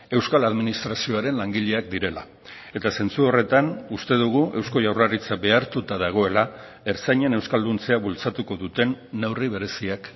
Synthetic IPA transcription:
e̞wskalaðminist̪ɾasio̞aɾe̞nlaŋɡiʎe̞ak̚d̪iɾe̞la̰ | e̞t̪ase̞nt͡suo̞re̞t̪anust̪e̞ðuɣ̞uʔe̞wsko̞ʝawrarit͡sabe̞aɾt̪ut̪aðaɣ̞o̞e̞la | e̞ɾsajɲe̞ne̞wskald̪unt͡se̞aβult͡sat̪uko̞ðut̪e̞nːewriβ̞e̞ɾe̞siak

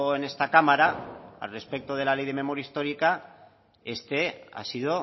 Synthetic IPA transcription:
ene̞st̪akamaɾaa̰re̞spe̞k̚t̪oð̞e̞lale̞jðe̞me̞moɾjaist̪o̞ɾika | e̞st̪e̞a̰sið̞o

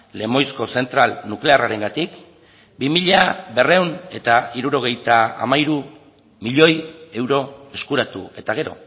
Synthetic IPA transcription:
le̞mo̞jsko̞se̞nt̪ɾalnukle̞araɾe̞ŋɡat̪ik | bimiʎabe̞re̞wne̞t̪aiɾuɾo̞ɣ̞e̞jt̪aa̰majɾu | miʎo̞je̞wɾo̞e̞skuɾat̪ue̞t̪aɣ̞e̞ɾo̞̰

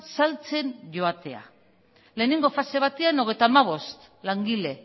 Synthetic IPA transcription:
salt͡se̞nʝo̞at̪e̞a̰ | le̞ːneŋɡo̞fase̞β̞at̪eano̞ɣ̞e̞jt̪amaβ̞o̞st̪ | laŋɡile̞

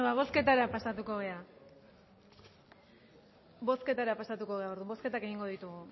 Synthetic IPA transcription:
βaβ̞o̞ske̞t̪aɾapasat̪uko̞ɣe̞a | bo̞ske̞t̪aɾapasat̪uko̞ɣe̞ao̞ɾðumbo̞ske̞t̪ake̞ɣiŋɡo̞ðit̪uɣu

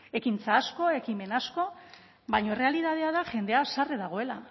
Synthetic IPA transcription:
e̞kint͡saːsko̞e̞kime̞nasko̞ | βajɲo̞re̞aliðað̞eaðaʝe̞nd̪e̞asareðaɣ̞o̞e̞la

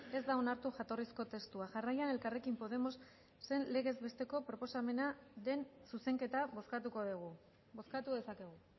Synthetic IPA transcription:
e̞zd̪ao̞naɾt̪uʝat̪o̞risko̞t̪e̞st̪uaʝarajane̞lkare̞kimpo̞ð̞e̞mo̞sː | e̞nle̞ɣ̞e̞zβe̞st̪e̞ko̞pɾo̞po̞same̞naðe̞nsuse̞ŋke̞t̪aβoskat̪uko̞ðeɣu | bo̞skat̪uðe̞sake̞ɣ̞u

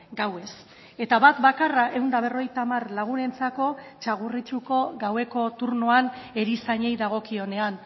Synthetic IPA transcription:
ɡawe̞s | e̞t̪aβat̪bakaraʔe̞wnd̪aβe̞ro̞ɣejt̪amarlaɣ̞une̞nt͡sako̞t͡ʃaɣ̞urit͡ʃuko̞ɣawe̞ko̞t̪uɾnoane̞ɾisaɲe̞jðaɣ̞o̞kio̞ne̞an

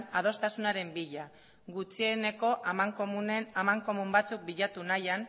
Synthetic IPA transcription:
nað̞o̞st̪asunaɾe̞mbiʎa | ɡut͡sie̞ne̞ko̞ʔamaŋkounamaŋko̞mumbat͡suk̚biʎat̪unajan

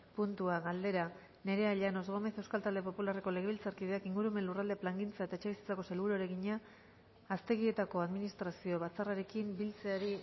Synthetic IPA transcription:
punt̪uaɣald̪e̞ɾa | ne̞ɾe̞aʎano̞zɣo̞me̞θe̞wskalt̪ald̪e̞po̞pulare̞ko̞le̞ɣ̞eβilt͡saɾkiðe̞akiŋɡuɾume̞nlurald̪eplaŋɡint͡sae̞t̪aet͡ʃe̞βisi̥t͡sako̞se̞lβuɾoɾe̞ɣiɲaː | st̪e̞ɣie̞t̪ako̞aðminist̪ɾasio̞βat͡saraɾe̞kimbilt͡se̞aɾi

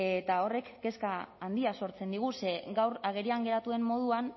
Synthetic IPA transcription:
et̪ao̞re̞kːe̞skaand̪iaso̞ɾt͡se̞nd̪iɣ̞use̞ɡawɾaɣ̞e̞ɾiaŋɡe̞ɾat̪ue̞mːo̞ð̞uan

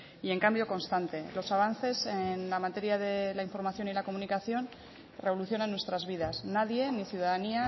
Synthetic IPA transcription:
ie̞ŋkambjo̞ko̞nst̪ant̪e̞lo̞saβ̞anθe̞senlamat̪e̞ɾjaðe̞laiɱfo̞ɾmaθjo̞nilako̞munikaθjo̞n | re̞βo̞luθjo̞nanːwe̞st̪ɾazβiðasnaðje̞niθjuðaðania

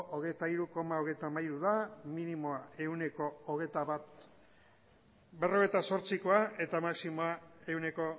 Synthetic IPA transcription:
ʔoɣejt̪aiɾuko̞mao̞ɣ̞e̞jt̪amajɾuðaminimo̞ae̞wne̞ko̞ːɣ̞et̪aβat̪ | be̞ro̞ɣet̪aso̞ɾt͡siko̞ae̞t̪amaksimoae̞wne̞ko̞

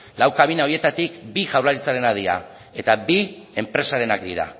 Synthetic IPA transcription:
lawkaβinao̞ie̞t̪at̪ikbiʝawɾlaɾit͡saɾe̞nað̞iɾa̰ | e̞t̪abi | e̞mpɾe̞saɾe̞nakd̪iɾa̰

